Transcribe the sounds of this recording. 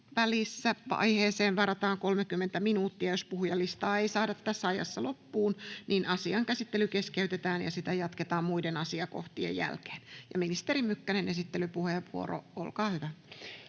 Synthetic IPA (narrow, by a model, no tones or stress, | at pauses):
ʋælisːæʋɑ̰iheːseːnʋɑrɑt̪ɑːŋkolmekymːent̪æminuːt̪ːiæjospuhujɑlːist̪ɑːeisɑːdɑt̪ːæsːɑjɑ̰sːɑlopːuːnninʔɑsiɑŋkæsit̪ːelykeskeyt̪et̪æːnjɑ̰sit̪æjɑt̪ket̪ɑːmmuidenɑsiɑko̰ht̪iḛjjæ̰lke̥ːnjɑ̰minist̪eɾimykːænenesit̪ːelypuheʋʋuo̰ro̰o̰lkɑːhyʋæ